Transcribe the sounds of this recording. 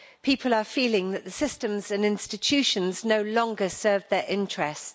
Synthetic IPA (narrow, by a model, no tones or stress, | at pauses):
pʰiˑpʰələfiːlɪ̃ŋðəʔðəsɪstə̃mzə̃nɪ̃nstɪt͡ʃʰʉˑʃə̃nznəʊlɒ̃ŋɡəsɜːvðəɹʔɪ̃nt͡ʃɹ̥ɛst